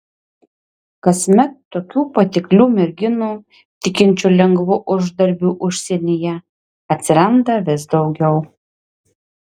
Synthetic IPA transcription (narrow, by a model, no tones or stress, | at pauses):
kɐsʲmʲɛt̪ːoːkʲuːpɐt̪ʲɪklʲuːmʲɛɾʲɡʲɪnuː | t̪ʲɪkʲɪnʲt͡ʃʲulʲɛŋɡʋʊʔʊʒd̪ɐɾʲbʲuːʔʊʃʲsʲeɛnʲɪjɛ | ɐt̪ʲsʲɪɾɐnd̪ɐʋʲɪsd̪ɒʊɡʲɛʊ